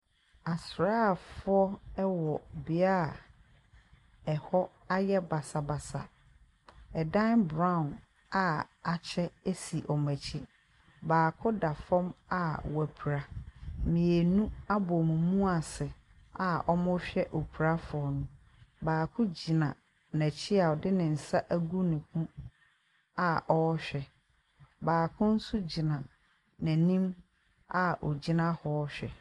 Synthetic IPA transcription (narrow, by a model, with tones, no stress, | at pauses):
a˨sɾaː˦˨fʊ˦ɔ˦ɛ˦wɔ˨bɪ˨a˦a˨ | ɛ˨hɔ˦ | a˦jɛ˦ba˨sa˨ba˨sa̰˨ | ɛ˨dã˦nbɾã˦˨ʊ̃˨n | a˨a˨t͡ɕʰɛ˦e˦si˨ʔɔ˨mæ̃˨t͡ɕʰi˦ | baː˨kʰʊ˦da˨fɔ̃˦ma˨wæ˨pʰu˨ɾa˦mĩ˨e˨nũ˦a˦bɔ˨mũ˨mũ˦a˨sɪ˨ | a˨ɔ˦mʊ̃˦ɕᶣɛ˦ʔo˨pʰu˨ɾa˦fɔ˨nʊ̃˦ | baː˨kʰʊ̃˦d͡ʑi˨nã˨ | næ˨t͡ɕʰi˦a˨ɔ˨dɪ˦nɪ̃˨n̩˨sa˦ʔæ˦ɡu˦nɪ̃˨kʰũ˦ | a˨ʔɔ˦ɔ˦ɕᶣɛ˨ | baː˨kʰʊ̃˦n̩˦sʊ˦d͡ʑi˨nã˨ | næ̃˨nĩ˦m | a˨ɔ˨d͡ʑi˦nã˦hɔ˦ɔ˦ɕᶣɛ̰˨